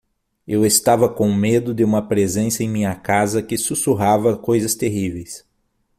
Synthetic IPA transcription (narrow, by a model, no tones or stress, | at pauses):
ewest̪avɐkõw̃med̪ʊd̪ɪũmɐpɾezẽnsɐẽj̃mĩɲɐkazɐkɪsusuɦavɐkojzɐst̪eɦivejs